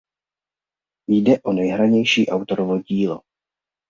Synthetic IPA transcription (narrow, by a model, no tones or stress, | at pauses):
jdɛʔonɛjɦɾaɲɛjʃiːʔawt̪oɾovoɟiːlo̰